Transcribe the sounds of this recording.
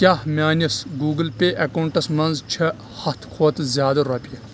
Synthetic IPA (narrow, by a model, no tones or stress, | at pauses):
kʲaːhmʲaːnʲɐsɡuːɡəlpʲeːʔɐkɐwɳʈɐsmɐnzt͡ʃʰɐ | hɐt̪ʰkʰoːt̪zʲjaːd̪ɐɾɐpʲiɐ